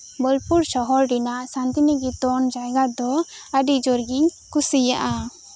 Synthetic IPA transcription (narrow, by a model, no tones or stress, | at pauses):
bəlpuɾsɔɦɔɾɖinaʔsant̪inəɡit̪ɔnd͡ʒajɡad̪ɔəɖiʔ̚d͡ʒɔɾɡiɲ | kusija̰ʔa